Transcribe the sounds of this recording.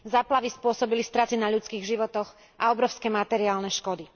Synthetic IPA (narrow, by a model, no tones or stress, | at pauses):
zaːplaʋispʊɔsɔbilist̪ɾat͡sinaʎut͡skiːɣʒiʋɔt̪ɔx | ʔaɔbɾɔʊskɛmat̪ɛɾiaːlnɛʃkɔd̪i